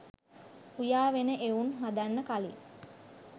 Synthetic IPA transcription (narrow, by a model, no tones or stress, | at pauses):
ujaːʋenəʔeunɦad̪anːəkali